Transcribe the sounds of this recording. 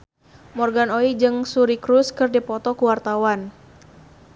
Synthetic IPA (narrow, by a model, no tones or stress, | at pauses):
mɔrɡanoid͡ʒɨŋsuɾikɾuskɨrdipɔt̪ɔkuwart̪awan